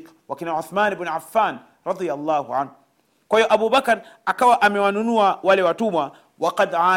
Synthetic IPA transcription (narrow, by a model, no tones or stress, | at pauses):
k | wakɛniʕʊθmanbnʕafːaːn | ɾˤɑd̪ˤijalˤːaːhuʕanhu | kwahijɔʔaɓubakɾakawaʔamɛwanunuawalɛwatuma | waqad̪ʕaː